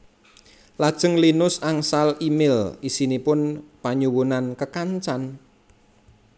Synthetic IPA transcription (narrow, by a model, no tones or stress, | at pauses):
lad̥ʒ̥əŋlinʊsaŋsalimɪlisinipʊnpaɲuwunankəkaɲt͡ʃan